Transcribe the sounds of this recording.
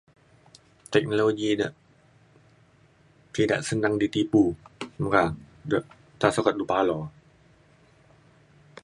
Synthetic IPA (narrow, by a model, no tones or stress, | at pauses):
t̪ɛk̚noloɡinəʔ | kida̰ʔsənaŋdit̪ipumkaŋ | dəʔ | t̪asɔkat̪̚dupalɔ